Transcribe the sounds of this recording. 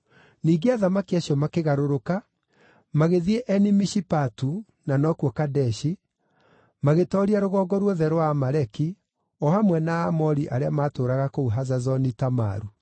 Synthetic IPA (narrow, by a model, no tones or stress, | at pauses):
niːɡeaðamakiaɕjɔmakeɣaɾoɾoka | maɣeðieʔɛnimiʃipatu | nanɔkwɔkadɛʃi | maɣetɔɾiaɾoɣɔːɡɔɾwɔðɛɾowamaɾɛki | ɔhamwɛnaːmɔɾiʔaɾeamaːtoːɾaɣakouɦazazɔnitama̰ɾu